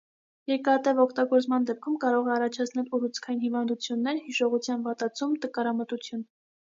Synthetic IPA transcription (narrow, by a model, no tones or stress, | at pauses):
jɛɾkɑt̪ɛvɔkʰt̪ɑɡɔɾt͡smɑnd̪ɛp̚kʰumkɑɾɔʁɛɑrɑt͡ʃʰɑt͡sʰnɛluɾut͡sʰkʰɑjinhivɑnd̪ut͡sʰjunːɛɾhiʃɔʁut͡sʰjɑnvɑt̪ɑt͡sʰumt̪əkɑɾɑmət̪ut͡sʰjun